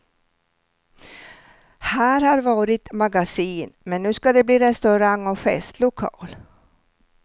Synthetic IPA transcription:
hæːɾhɑɾvɑːɾɪt̪maɡasiːnmɛnːʉ̟ːskad̪ɛbliːɾɛst̪ɵɾaŋːɔfɛ̰st̪lʊkʰɑ̰ːl

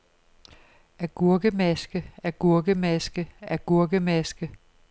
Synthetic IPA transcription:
æɐɡ̥uɐɡ̥əmæsɡ̥əæɐɡ̥uɐɡ̥əmæsɡ̥əæɐɡ̥uɐɡ̥əmæsɡ̥ə

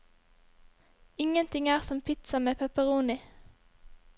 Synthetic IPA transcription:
ɪŋənt̪ʰɪŋæːʁsɔmpʰɪt̪sɑmeːpʰɛpəʁuːnɪ

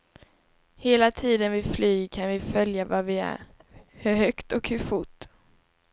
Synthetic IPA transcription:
heːlat̪ʰiːd̪ənvɪflyːkʰanvɪfœljavavɪæ̰ɾ | hɵɾhœkt̪ɔkhɵfʊʈː

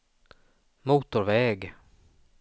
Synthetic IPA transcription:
muːt̪ʊɾvɛːɡ

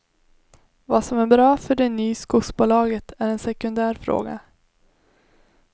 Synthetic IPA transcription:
vɑsɔmæɾbɾɑːfœɖɛnːyːskʊksbʊlɑːɡət̪ʰæɾɛnsɛkɵnd̪æːɾfɾo̰ːɡa̰

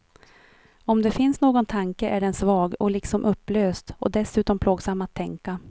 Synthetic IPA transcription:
ɔmd̪ɛfɪnsnoːɡɔnt̪ʰaŋkəʔæɖɛnsvɑːɡɔlɪksɔmʔɵpːløːst̪ɔ̰d̪ɛsʉ̟ːt̪ɔmpʰloːɡsamːat̪ʰːɛŋka

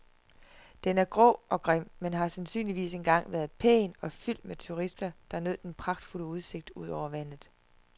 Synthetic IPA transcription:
d̥enæɐɡ̥ʁɔ̰ɒ̽ɡ̥ʁem̰menɦɑ̈sænsy̰ːnliʋḭːse̝nɡ̥ɑ̈ŋ̰ʋæːɐðˠpʰḛːnɒ̽fyl̰d̥met͡sʰuʁisd̥ɐd̥ɑnøð̰ˠd̥enpʰʁɑ̈ɡ̥̚d̥ful̰əuð̞ˠse̝ɡ̥̚d̥uð̞̰ˠɒʊ̰ɐʋæn̰ð̩ˠ

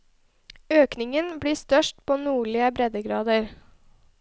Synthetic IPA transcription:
øːknɪŋənbɽiːst̪œʃʈpʰoːnuːɭɪəbɾɛd̪əɡɾɑːd̪əɾ

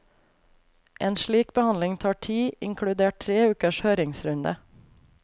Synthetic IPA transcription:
ʔeːnʃɭiːkbəhɑnlɪŋt̪ʰɑːʈʰiːʔɪŋkʰɽʉd̪eːʈ̚tɾeːʉːkəʃhøːɾɪŋsɾʉnd̪ə̰

